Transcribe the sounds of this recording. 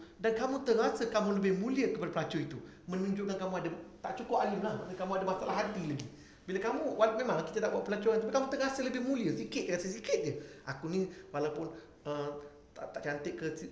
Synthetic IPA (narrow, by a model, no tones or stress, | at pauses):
dankamũt̪əɾasəkamũləbɪhmũliəkəpadapəlad͡ʒɔit̪u | mənuɲd͡ʒʊʔkankamũadat̪aʔt͡ʃukʊpalɪmlahikamũadamasalaɦat̪ilaɡi | bilakamũwamẽmãŋki̥t̪at̪aʔbuaʔpəlat͡ʃɔant̪apikamũt̪əɾasələbɪhmũliəsikɪt̪̚rasəs̬ikɪt̪̚d͡ʒəʔakunĩwalawpʊn | ə | t̪at̪aʔt͡ʃant̪ɪʔkəsi